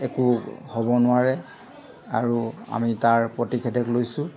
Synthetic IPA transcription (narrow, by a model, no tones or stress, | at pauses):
ɛkuhɔbɔnʊaɹɛ | aɹua̰mitaɹpɹotikʰɛdɛklojsʊ